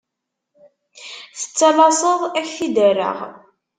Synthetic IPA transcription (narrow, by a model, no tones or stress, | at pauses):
θə̥t͡sːɑlɑsˤəðˤæçθid̪ərːə̰ʁ